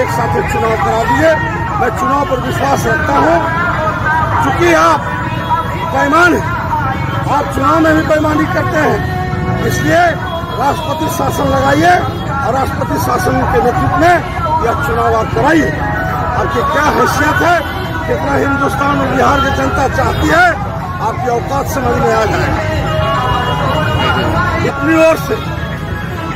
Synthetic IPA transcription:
eksaːt̪ʰet͡ʃʊnawkəɾad̪ie | mɛ̃t͡ʃʊnawpəɾʋɪswaːsɾəkt̪aɦũ | kjũkiaːp̚ | pəjmaːnɦɛ̃ | aːp̚t͡ʃʊnawmebʱipəjmanikəɾt̪eɦɛ̃ | d͡ʒɪslie | ɾasʈəpət̪isasənləɡaie | ɔɾasʈəpət̪isasənkenet̪it̪me | jat͡ʃunawad̪̚kəɾaie | abkekjaɦəsijət̪ɦɛ | ket̪naɦĩnd̪ust̪ʰanebiɦaɾked͡ʒənt̪at͡ʃaɦt̪iɦɛ | ap̚keəʊkat̪sə̃məmead͡ʒaeɡa | it̪nioɾse

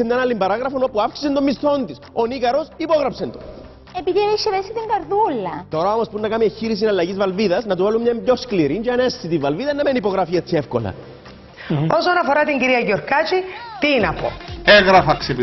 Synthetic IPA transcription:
semɲɐnɐlːimbɐɾɐɣɾɐfo̞no̞puafksi̥sent̪omːist̪o̞nt̪isonikɐɾo̞sipo̞ɣɾɐpsent̪o | epiðieʃːevesit̪iŋɡɐɾðulːɐt̪o̞ɾɐomospunːɐkɐmieçːiɾis̬inɐlːɐʝizvɐlviðɐznɐt̪uvalumɲɐmbʎo̞skliɾinɟɐnest͡sːit̪ivːɐlviðɐnɐmenipo̞ɣɾɐfiet͡sːie̞fko̰lɐ̰ | osonɐfoɾɐt̪iɲɟiɾiɐʝoɾkɐt͡ʃit̪inɐpo̞̰eɣɾɐfɐksep

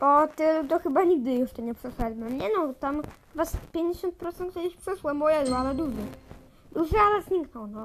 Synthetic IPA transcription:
pɔt̪ɪlut̪ɔxɘbaɲiɡ̚d̪ɘjuʂtɛɲɛpʂɛʃɛd̪mɛmɲɛnɔt̪am | vaspʲjeɲd͡ʑeɕɔnt̪̚pɾɔt̪sɛnt̪kʲɛd̪ɪɕpʂɘʂwɛmɔjɛd̪ualɛd̪uʐɛ | d̪uʐɨalɛzɲʲiknɔwnɔ

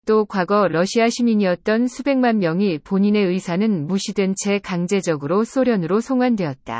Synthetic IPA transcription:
t͈okwaɡʌɾʌɕʰiaɕʰimiɲiʌt̚t͈ʌnsʰube̞ŋmanmjʌŋipoɲine̞ɯisʰanɯnmuɕʰidwent͡ɕʰe̞kaŋd͡ʑe̞d͡ʑʌɡɯɾos͈oɾjʌnɯɾosʰoŋwandwe̞ʌt̚t͈a̰

